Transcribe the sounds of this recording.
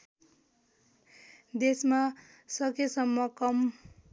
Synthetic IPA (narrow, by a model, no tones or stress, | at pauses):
d̪esma | sʌkesʌmːʌkʌm